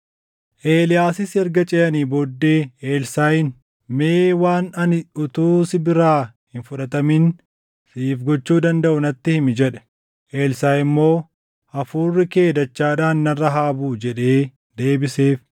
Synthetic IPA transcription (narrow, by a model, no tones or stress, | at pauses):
ʔe̞ːlɪjaːsɪsɛɾɡɐt͡ʃʼɛjɐniːboːd̪ːe̞ːeːlsaːjɪn | meːwaːnɐnɪʊt̪uːsɪbɪɾaːhɪnfʊᶑɐt̪ɐmin | siːfɡɔt͡ʃːuːd̪ɐnd̪ɐʔʊnɐt̪ːɪhɪmɪd͡ʒɛᶑɛ̥ | ʔe̞ːlsaːjɪmːo̞ː | ʔɐfuːrːɪke̞ːd̪ɐt͡ʃːaːᶑaːnːɐrːɐɦaːbuːd͡ʒɛᶑe̞ː | d̪e̞ːbɪseːf